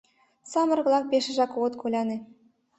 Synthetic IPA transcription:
sɑmɤ̆rɣlˠɑk̚bʲeʃɘ̆ʒɑkoɤ̆t̪kʰolʲɑnĕ

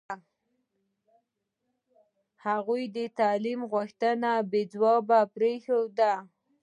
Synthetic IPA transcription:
haɣujd̪ət̪ɑlimɣʊxt̪ənabed͡zwɑbapɾexod̪a

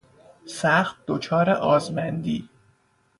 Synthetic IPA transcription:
sæxt̪̚d̪̥ot͡ʃʰɒːɾeʔɒːzmænd̪iː

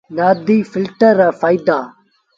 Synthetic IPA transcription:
naːd̪iːfɪlʈəɾafaːid̪aː

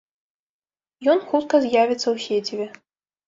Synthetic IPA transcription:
jɔnxut̪kɐzʲjavʲit̪sːɐwsʲet͡sʲivʲɛ

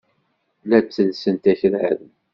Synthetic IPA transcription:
læt͡sːəlsənt̪æçəlʕæ̰ðn

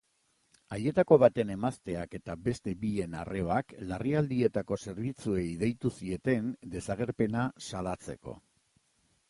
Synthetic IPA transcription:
aje̞t̪ako̞βat̪e̞ne̞mast̪e̞ake̞t̪abe̞st̪e̞bie̞na̰re̞oaklariald̪ie̞t̪ako̞se̞ɾβit͡sue̞iðejt̪usie̞t̪e̞nd̪e̞saɣ̞e̞ɾpe̞nasalat͡se̞̰ko̞̰

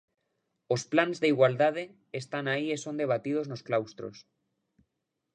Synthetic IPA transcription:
osplanzðeiɣwald̪að̞eː | st̪anaiesond̪eβ̞at̪ið̞oznosklawst̪ɾo̰s

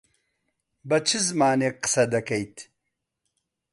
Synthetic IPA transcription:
bɐt͡ʃʰizmaːneqɨ̥sɐd̪ɐkɐjt̪

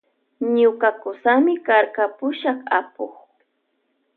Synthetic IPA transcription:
ɲʊkakʊsamɪkaɾkapʊʃɑχapoχ

